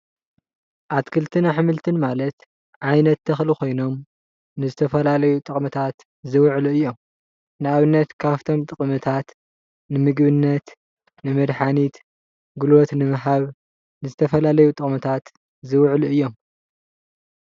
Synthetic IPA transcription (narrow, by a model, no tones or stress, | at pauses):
ʔat̪kʰɨlt̪ʰɨnaħɨmɨlt̪ʰɨnmalɐt̪ | ʕajnɐt̪ːʰɐxlikʰo̞jno̞m | nɨzɨt̪ʰɐfɐlalɐjut̪ʼɨχʼmɨt̪ʰat̪ | zɨwʕluɨjːo̞m | nɨaβɨnːɐt̪kʰaβt̪ʰo̞mt̪ʼɨχʼmɨt̪ʰat̪ | nɨmɨɡβɨnːɐt̪ | nɨmɐd̪ħanit̪ | ɡulot̪nɨmɨɦaβ | nɨzɨt̪ʰɐfɐlalɐjut̪ʼɨχʼmɨt̪ʰat̪ | zɨwʕluɨjːo̞m